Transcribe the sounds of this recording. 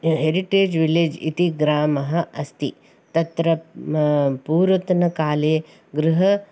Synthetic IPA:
ɦeɾiʈeːd͡ʒʋiled͡ʒḭt̪iɡɾaːmɐɦɐ̆ɐst̪ḭ | t̪ɐt̪ɾɐ | puːɾɐt̪nɐkaːleː | ɡɾɪɦɐ

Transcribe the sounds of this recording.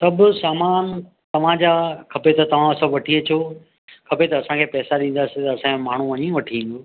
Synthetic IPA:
t̪ɐbʊsaːmaːn | t̪ɐʋ̤ãd͡ʑaːkʰɐpet̪ɐt̪ɐʋ̤ãsɐ̃ʋɐʈʰiet͡ɕʰoː | kʰɐpet̪ɐːsãkʰeːpɛːsaɗĩːn̆d̪aːsɪt̪ɐɐsãkʰẽmaːɳ̤uʋɐɲiũʋɐʈʰiĩːn̆d̪oː

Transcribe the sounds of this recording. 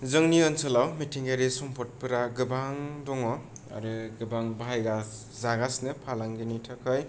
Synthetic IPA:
zɯŋniɯnsɯlawmitʰiŋɡaɾisɔmpʰɔt̚pɯɾaɡɯbaŋdɔŋɔ | a̰ɾɯɡɯbaŋbʱajɡa | zaɡasnɯpʰalaŋɡinitʰakʰɯj

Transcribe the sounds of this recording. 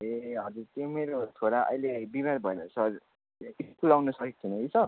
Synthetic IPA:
eɦʌd͡zuɾt̪jomeɾot̪ʰoɾaʔʌ̰jlebimaɾbʱʌenʌsʌɾ | iskulawnʌsʌkik̚t̪ʰinʌisʌ

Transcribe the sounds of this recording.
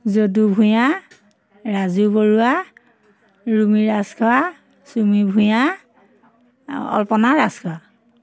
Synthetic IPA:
zodubʱuja | ɹazuboɹua | ɹumiɹaskʰa | sumibʱuja | ɔ̰lpɔnaɹaskʰɔwa

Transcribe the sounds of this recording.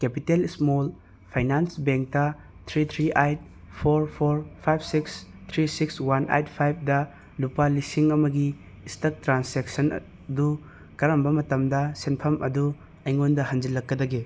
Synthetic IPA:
kepitelismol | pʰajnansbeŋk̚tɐ | t̪ʰɾit̪ʰɾiʔajt̚ | pʰoɾpʰoɾpʰajb̚ʰsiks | t̪ʰɾisikswanʔa̰jtpʰajb̚ʰdɐ | lupalisiŋɐmɐɡiː | stɐk̚tɾansek̚sɐn̰ | du | kɐɾɐmbɐmɐtɐmdɐsenpʰɐmɐdu | ɐjŋondɐhɐnd͡ʒilɐkːɐdɐɡi

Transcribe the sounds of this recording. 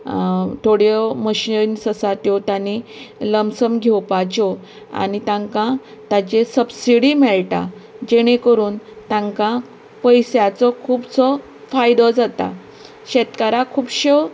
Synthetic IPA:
ʈ̪ʰoɽjɔməɕinsəsat̪jɔt̪janiləmsəmɡʱɛwpat͡ɕɔ | a̰nit̪ãŋkã | t̪ãt͡ɕesəbsiɽimɛɭʈa̰ | d͡ʑeɽ̃ẽkəɾuːnt̪ãŋkã | pəjsjat͡sɔkʰuːbt͡sɔ | fajd̪ɔd͡zat̪a̰ | ɕɛt̪kaɾakʰuːbɕe

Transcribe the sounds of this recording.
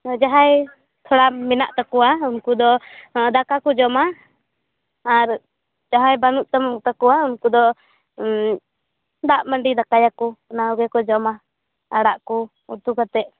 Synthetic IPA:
d͡ʒaɦaj | t̪ʰɔɽamɛna̰ʔt̪akɔwaunkud̪ɔd̪akakɔd͡ʒɔma | ɾ | d͡ʒaɦajbanuʔt̪amɔkt̪akɔwaunkud̪ɔ | d̪aʔməɳɖid̪akajakunaɔɡɛkɔd͡ʒɔma | aɽaʔku | ut̪ukat̪ɛʔ

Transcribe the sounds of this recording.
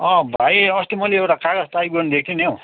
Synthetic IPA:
ʌ̃bʱaiʌst̪imʌleewʈakaɡʌst̪ajbuʌnd̪ek̚ʰt̪ʰinõ

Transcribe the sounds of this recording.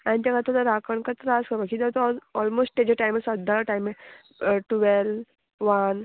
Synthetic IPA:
ãnit̪akat̪olaɾakəɳkat̪ɾaskəɾbakiːt̪ɛat̪ɔɔlmosʈt̪ed͡ʑaʈajmesəd̪ʱːalʈajme | ʈuʋɛl | ʋan

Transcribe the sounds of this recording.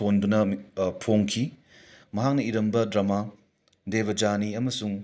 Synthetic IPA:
ondunɐpʰoŋkʰi | mɐɦak̚nɐiɾɐmbɐdɾɐma | debɐd͡ʒaniɐmɐsuŋ

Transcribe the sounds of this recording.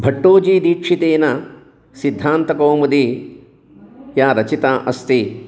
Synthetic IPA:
bʱɐʈːoːd͡ʒiːd̪iːkʂit̪eːnɐ | sid̪ʱːaːnt̪ɐkoːmɐd̪iː | jaːɾɐt͡ʃit̪aːʔɐst̪i

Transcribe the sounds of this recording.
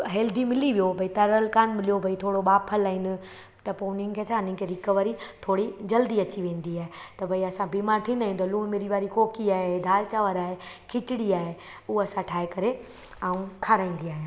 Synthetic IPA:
ɦeːld̪imɪliʋijobʱɐit̪ɐɾəlkaːnmɪlijobʱɐit̪ʰoːɽoɓaːpʰəlaːĩnɪ̆ | t̪ɐpoʊnɪ̃ŋkʰeːt͡ɕʰaːnɪ̃ŋkʰeɾɪkəʋɾit̪ʰoːɽid͡ʑɐld̪iɐt͡ɕiʋẽːn̆d̪iaːɦet̪ɐbʱɐiɐsãbiːmaːɾt̪ʰĩːnd̪aɦĩnd̪oluːɽmeːɾiʋaːɾikoːkiaːɦed̪ʱaːlt͡ɕaːʋəɾaːɦe | kʰɪt͡ɕɪɽiaːɦe | ʊɦɐsãʈʰaːɦekɐɾe | aːũkʰaːɾãːĩːnd̪iaːɦjãː

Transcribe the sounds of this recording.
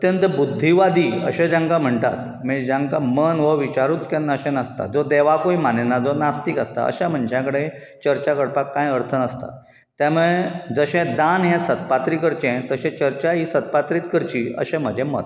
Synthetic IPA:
ət̪jənt̪əbud̪ʱːiʋad̪iːə̰ɕẽd͡ʑãŋkam̤əɳʈa̰t̪̚ | mid͡ʑãŋkamənʋəʋit͡ɕaɾut̪kjanːaəɕẽnast̪a̰d͡zɔd̪ɛʋakoimanenad͡zonast̪iːkəst̪a̰ə̰ɕam̤ənd͡ʑʱakəɽet͡ɕəɾt͡ɕakəɽpakːãjəɾt̪ʰənəst̪a̰ | t̪jamuɭed͡zəɕɛ̃d̪anɦɛ̃sət̪̚pat̪ɾiːkəɾt͡ɕɛ̃t̪əɕɛ̃t͡ɕəɾt͡ɕaɦisət̪̚pat̪ɾiːt̪kəɾt͡ɕiːə̰ɕɛ̃m̤əd͡ʑʱɛ̃mə̰t̪

